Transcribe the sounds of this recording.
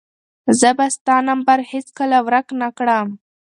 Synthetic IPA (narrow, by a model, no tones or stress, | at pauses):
zəbast̪ɑnambaɾhet͡skəlawɾaknakɽəm